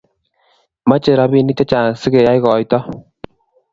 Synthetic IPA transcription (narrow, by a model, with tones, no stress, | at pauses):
ma˦t͡ʃe˨ɾa˧bi˦ni˦te˦t͡ʃa˨sɪ˦ke˨ja˦jkɔ˨jtɔ˦